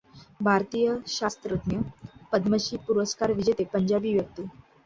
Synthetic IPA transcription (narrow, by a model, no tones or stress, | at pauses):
bʱaɾt̪ijəɕast̪ɾət̪njəpəd̪məɕiːpuɾəskaɾʋid͡ʑet̪epəɲd͡ʑabiːʋjək̚t̪u